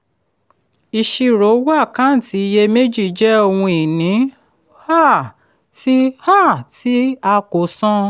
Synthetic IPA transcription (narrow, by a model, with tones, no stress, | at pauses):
i˧ʃi˧ɾo˨˦wa˦˨kã˨˦n̩˦˨ti˨˧˦i˧je˧me˦d͡ʒi˦˨d͡ʒɛ˦o˧wũ˧i˨nĩ˨˦ | ha˦˨ | ti˦ha˦˨ti˦a˧ko˨sɔ̃˦